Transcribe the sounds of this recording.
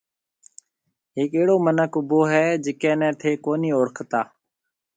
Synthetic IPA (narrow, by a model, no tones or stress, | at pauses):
ɦɪːkeːɽoːmənəkʊboːɦɛːd͡ʒɪkɛ̃ːnɛ̃ːt̪ʰeːkoːniːoːɾkʰt̪aː